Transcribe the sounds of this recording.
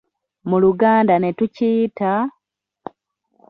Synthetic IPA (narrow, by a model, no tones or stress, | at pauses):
muluɡaːndane̞tuciːta